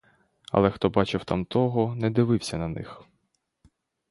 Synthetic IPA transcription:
ɐ̰lˠɛxt̪ɔbɑt͡ʃɪwt̪a̰mt̪ʰɔɦɔnɛd̪ɪʋɪwsʲɐnɐnɪ̰x

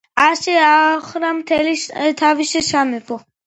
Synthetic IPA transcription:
aʃɛaχɾamt̪ʰɛlit̪ʰaviʃɛʃamɛbɔ

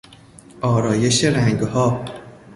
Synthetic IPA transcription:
ʔɒːɾɒːje̞ʃeɾæŋɡhɒː

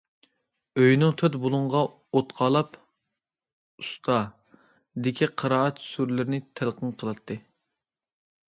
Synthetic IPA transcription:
øjnuŋt̪ʰøt̪bolˠuɴʁɑ | ot̪qʰɑːlˠɑp | ust̪ʰɑ | d̪ɪkʲʰiqʰəɾɑːɛt̪suɾlɪɾnɪt̪ʰælˠqənqʰəlˠɨt̪ʰːɨ

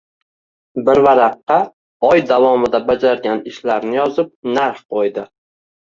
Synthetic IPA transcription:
bɪɾvaɾɑqːɑ | ɒjd̪avɒmɪd̪abad͡ʒaɾɡʲanɪʃlaɾnɪjɒzɪp̚naɾχqʰojd̪ɪ

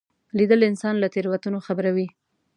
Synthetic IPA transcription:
lid̪əlɪnsɑnlat̪eɾwat̪unoxabəɾawi

